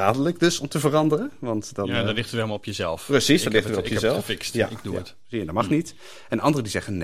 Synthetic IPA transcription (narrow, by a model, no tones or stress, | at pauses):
aːdələkdøsɔmtəvərɑndərəʋɑntdɔnadɔlɪtətʋɛlˠmlˠɔpjəzɛ̰lˠfprəsisd̥ɔtlɪxtəʋɛlˠɔpjəzɛlˠffɪksja̰ɪɡ̚dujət | iəndɔtmɑχnit | ɛnʔɑndərədizɛɣənn